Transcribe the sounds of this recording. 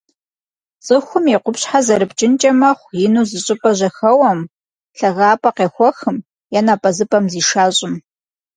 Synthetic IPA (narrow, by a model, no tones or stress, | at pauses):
t͡sʼɨxʷʊmiqʷʊpɕħazɐɾɨpt͡ʃʼɪnt͡ʃʼɐmɐχʷjɪnuːzɨɕʼɪpʼɐʑɐxɐwɐm | ɬɐɣaːpʼɐqeːxʷɔxɨm | jɛnaːpʼɐzɨpʼɐmziːʃaːɕʼɪm